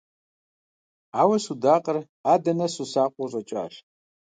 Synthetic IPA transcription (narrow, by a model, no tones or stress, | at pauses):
awɐsudaːqʼər | adɐnɐsusaːqʷʼɔrʷʼat͡ʃʼa̰ːʃ